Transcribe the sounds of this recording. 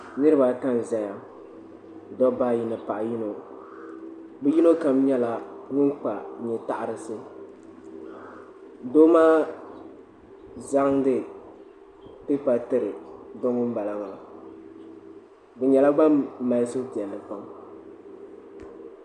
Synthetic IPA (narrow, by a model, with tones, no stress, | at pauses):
nɨ˦ɾɨ˦ba˨ka˦n˨za˨ja˨ | dɔ˦ba˦ji˨nɨ˨pa˨ʔji˦no˨ | bɛ˦ji˦no˦ka˨mɲɛ˦la˨ŋʊ˦nk͡pa˨ɲɛ˨ta˦ʔa˨ɾɨ˨sɨ˦ | do˦maː˦ | za˦ŋdɨ˦ | tɨ˦pa˨tɨ˦ɾɨ˨dɔ˦ŋʊ˦nba˨la˨ŋa˨la˨ | bɛ˨ɲɛ˨la˦ɡ͡ba˦m̩ː˦a˨lso˦ti˨ɛ˨lːɨ˨pa˨˦ŋ